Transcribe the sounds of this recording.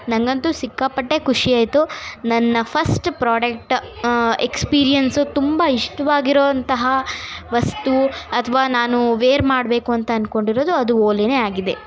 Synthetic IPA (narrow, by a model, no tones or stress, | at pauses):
nɐŋɡɐnt̪usikːapːɐʈːekʰuʂiaːjt̪unɐnːɐpʰɐsʈpɾaːɖek̚ʈ | ekspiːɾijɐnsut̪umbɐiʂʈɐʋaːɡiɾoːɐnt̪ɐɦɐʋɐst̪uɐt̪ʰɐʋaːnaːnuʋeːɾmaːɽbe̞ːkuɐnt̪ɐːnko̞ɳɖiɾo̞ːd̪uɐd̪uoːlineaːɡid̪e